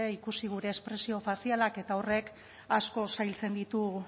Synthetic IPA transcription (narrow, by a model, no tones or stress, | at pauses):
eikusiɣ̞uɾe̞ːspɾe̞sio̞fasialake̞t̪aore̞k | asko̞sajlt͡se̞nd̪it̪u